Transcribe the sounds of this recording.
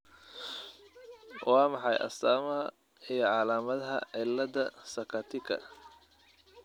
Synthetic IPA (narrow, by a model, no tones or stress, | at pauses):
wʔɑːmɑħɑjʔɐ̰saːmɐɦɐ | ijɞʕɑlaːmɐðɐɦɐ̰ʕɪlːɐðɐsɐkʰɐt̪ʰɪkʰɐ̰